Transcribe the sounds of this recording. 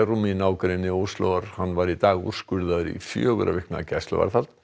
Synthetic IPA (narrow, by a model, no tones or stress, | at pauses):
ruminaːwkaɾɪnːɪust̪loaɾ̥hanːvaɾit̪aːɣṵr̥skʏɾðaðʏɾḭfjœːɣʏɾʔa̰vɪkna̰cɛjsla̰va̰ɾθalt̪